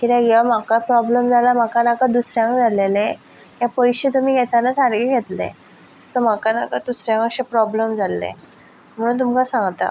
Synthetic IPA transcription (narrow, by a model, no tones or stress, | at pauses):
kit̪ɛ̃ɡeʋam̤akapɾɔbləmd͡zʱalam̤akanakad̪usɾjãŋkd͡zʱalele | kjapəjɕet̪um̤iːɡʱɛt̪anat͡saɾɡeɡʱet̪lḛ | sɔm̤akana̰kad̪usɾjãŋkaɕepɾɔbləmd͡zʱalːḛ | m̤əɽ̃uːnt̪umkasãŋɡt̪a̰